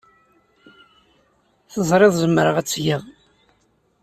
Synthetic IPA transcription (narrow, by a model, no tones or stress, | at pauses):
θəzˤɾˤɪðˤzəmːɾəʁæt͡sːjiðˤ